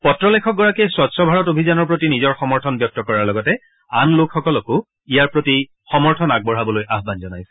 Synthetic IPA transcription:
pɔtɹɔlɛkʰɔk̚ɡɔɹakɛswɔtsɔbʱaɹɔtobʱizanɔɹpɹotinizɔɹxɔmɔɹtʰɔnbjɔk̚tɔkɔɹaɹlɔɡɔtɛ | anlokʰxɔkɔlɔkʊ | ijaɹpɹoti | xɔmɔɹtʰɔnaɡ̚bɔɹɦabɔlojʔaɦbanzɔnajsɛ̥

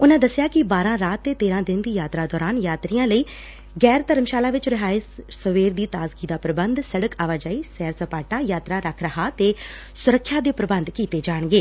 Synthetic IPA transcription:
ʊnãːd̪əsɪjaːkɪbaːɾãːɾaːt̪ːeːt̪eːɾãːd̪ɪnd̪iːjaːt̪ɾaːd̪ɔːɾaːnjaːt̪ɾiːãːləiː | ɡɛːɾt̪əɾəmʃaːlaːʋɪt͡ʃɾɪɦaːɪssəʋeːɾd̪iːt̪aːzɡiːd̪aːpɾəbənd̪səɽəkaːʋaːd͡ʒaːiːsɛːɾsəpaːʈaːjaːt̪ɾaːɾəkʰɾəhaːt̪eː | sʊɾəkʰːjaːd̪eːpɾəbənd̪kiːt̪eːd͡ʒaːɽɡeː

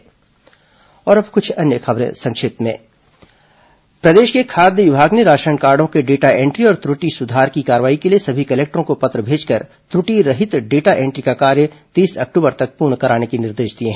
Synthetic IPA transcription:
ɔːɾɐbkʊt͡ʃʰɐnjəxɐbɾḛ̃sɐ̃ŋkʃeːt̪mḛ̃ː | pɾɐd̪eːʃkekʰaːɾd̪jəʋɪbʱaːɡneɾaːʃɾaəɳkaːɾɖõkeɖeːʈaẽːɳʈɾiɔːɾt̪ɾʊʈisʊd̪ʱaːɾkikaːɾʋaːikeliesɐbʱikɐleːk̚ʈɾõkopɐt̪ɾəbʱeːd͡ʒkɐɾ | t̪ɾʊʈiɾɐɦɪt̪ɖeːʈaʔẽːɳʈɾikakaːɾjət̪iːsɐ̰k̚ʈuːbəɾt̪ɐk̚puːɾɳkɐɾaːnekinɪɾd̪eːʃd̪ieɦɛ̃ː

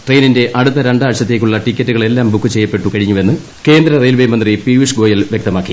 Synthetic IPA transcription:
ʈrejninde̞ʔɐɽut̪ːɐɾeɳɖaːʋɕɐt̪ːe̞ːk̬ʲːuɭːɐʈikʲːɐtːuɣɐɭe̞lːaːmbukːɨt͡ɕe̞jːɐpːe̞ʈːukɐɻiɲːue̞nːɨ | ke̞ːnd̪ɾɐrejlʋɐjmɐnd̪ripiʋiʂɡo̞ːjɐlʋjek̚t̪ɐmaːkːi

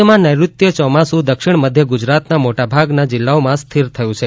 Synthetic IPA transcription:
əmãnəjɾut̪jət͡ʃɔmasũd̪əkʃiɳməd̪ʱjəɡʊd͡ʒɾat̪namoʈabʱaɡnad͡ʒɪlːaomãst̪ʰiɾt̪ʰəjũt͡ʃʰe

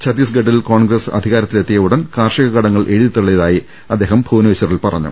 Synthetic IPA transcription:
t͡ɕʰɐd̪isɡɐɖilko̞ːɳɡrɐsɐ̰d̪ʱiɣaːɾɐt̪ːile̞t̪ːijɐʋuɽɐnkaːrʂɐɣɐɣɐɽɐŋːɐɭʔe̞ɻuðit̪ːuɭːeðaːji | ɐd̪ːe̞ːɦɐmbʱuːnɐʋɐɕɐrilpɐrɐ̰ɲːṵ

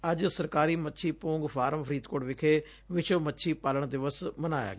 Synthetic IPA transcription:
əd͡ʒsəɾkaːɾiːmətːʃʰiːpõːŋɡpʰaːɾəmpʰəɾiːt̪koːɽʋɪkʰeː | ʋɪt͡ʃəːmətːʃʰiːpaːləɳd̪ɪʋəsmənaːja̰ːɡ

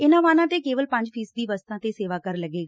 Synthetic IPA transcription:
ɪnãːʋaːnãːt̪eːkeːʋəlpə̃ɲd͡ʒpʰiːsd̪iːʋəst̪ãːt̪eːseːʋaːkəɾləɡeːɡaː

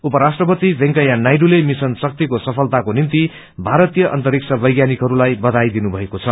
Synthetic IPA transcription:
upʌɾasʈrʌpʌt̪ibʱẽŋkʌjanajɖulemisʌnsʌk̚t̪ikosʌpʰʌlt̪akonint̪i | bʱaɾʌt̪ijʌʔʌ̰nt̪ʌɾik̚t͡sʰʌbʌjɡjanikɦʌɾulajbʌd̪ʱajd̪inubʱʌekot͡sʰʌ

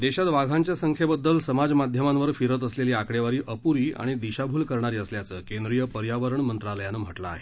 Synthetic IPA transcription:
d̪eɕat̪ʋaɡʱãɲt͡ɕjasəŋkʰjebəd̪ːəlsəmad͡zmad̪ʱjəmãnʋəɾfiɾət̪əsleliːakɽeʋaɾiːʔəpuɾiːa̰ɽ̃id̪iɕabʱuːlkəɾɳaɾiːəsljat͡səːkẽnd̪ɾijəpəɾjaʋəɾəɳmənt̪ɾaləjanːəm̤əʈla̰ːɦe

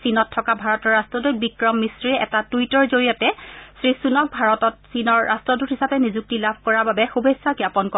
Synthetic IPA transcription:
sinɔtʰːɔkabʱaɹɔtɔɹɹastɹɔdobikɹɔmːisɹiɛ̰tatujtɔɹzoɹijɔtɛsɹisunɔk̚bʱaɹɔtɔtsinɔɹːastɹɔduthisapɛnizuk̚tilabʱkɔɹababɛxubʱesːakiapɔnkɔ

